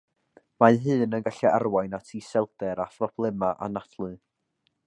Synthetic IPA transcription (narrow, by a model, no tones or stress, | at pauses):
maɦɨːnənɡaɬɛʔarwajnatʰisɛlˠdɛɾaθrɔpʰlˠɪmaʔa̰natʰlˠɨ